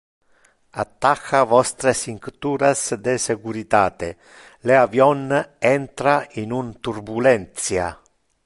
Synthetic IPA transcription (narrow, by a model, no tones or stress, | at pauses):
at̪ːaxavɔst̪ɾesiŋkt̪uːɾasd̪esekuɾit̪aːt̪e | leavjɔnɛnt̪ɾainunt̪uɾbulɛnt̪sja